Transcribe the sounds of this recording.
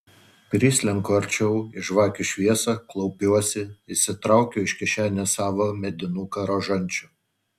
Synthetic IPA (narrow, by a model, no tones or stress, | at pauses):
pʲɾʲiːsʲlʲɛŋkːɐɾʲt͡ʃʲɛʊɪʃʋɑːkʲʊʃʲʋʲiɛsɑklˠɔʊpʲuɔsʲɪɪsʲɪt̪ɾɑˑʊkʲoɪʃʲkʲɪʃʲæːnʲɛsɑːʋoːmʲɛd̪ʲɪnuːkɐɾoʒɐnʲˑt͡ʃʲʊ